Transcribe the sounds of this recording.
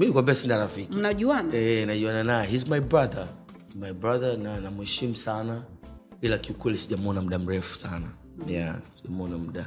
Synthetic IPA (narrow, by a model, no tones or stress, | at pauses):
miikwabɛsindaɾafikinaʄuanaɛɛnaʄuananaɛhizmajbɹaðə | majbɹaðənanamuhɛʃim̩sana | ilakiukwɛlisiʄamɔnam̩ɗam̩ɾɛfu̥sana | jasiʄamɔnam̩ɗa